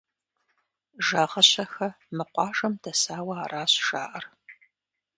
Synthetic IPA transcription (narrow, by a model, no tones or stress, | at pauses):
ʒaːʁɐɕɐxɐ | mɨqʷɑːʒɐmdʰɐsaːwɐaːraːɕʒaːʔɐr